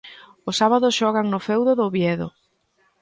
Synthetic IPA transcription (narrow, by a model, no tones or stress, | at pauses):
ʊsaβaðʊsʃɔɣaŋnʊfɛwðʊðʊβjɛðʊ̰